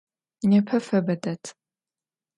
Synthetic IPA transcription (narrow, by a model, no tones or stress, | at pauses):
nepʰɐfɐbɐdɐtʰ